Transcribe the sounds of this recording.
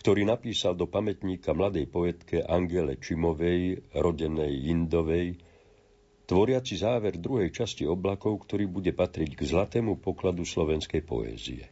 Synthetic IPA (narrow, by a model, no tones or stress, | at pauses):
kt̪ɔɾiːnapiːsald̪ɔpamɛt̪ɲiːkamlad̪ɛjpɔɛt̪kɛʔaŋɡɛlɛt͡ʃimɔʋɛjɾɔɟɛnɛjind̪ɔʋɛj | t̪ʋɔɾɪat͡sizaːʋɛɾd̪ɾuɦɛjt͡ʃasciɔblakɔʊkt̪ɔɾiːbuɟɛpat̪ɾiɟɡzlat̪ɛːmupɔklad̪uslɔʋɛnskɛjpɔ̰ɛ̰ːzḭɛ̰